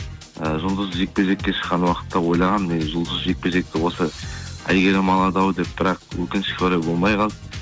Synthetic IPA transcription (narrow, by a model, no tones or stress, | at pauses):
əʒʊlˠd̪əzʒe̞k̚pe̞ʒe̞kʲːe̞ʃə̥qːɑnwɑqə̥t̪ːɑwo̞jlˠɑʁɑnmeʒʊlˠd̪əzʒe̞k̚pe̞ʒe̞k̚t̪ɪwo̞səæ̰jɡʲe̞ɾɪmɑlˠɑd̪ɑwəd̪e̞p̚b̥ɪɾɑqwɵkʲɪnɪ̥kʲoɾɑjbo̞lˠmɑjqʰɑlˠə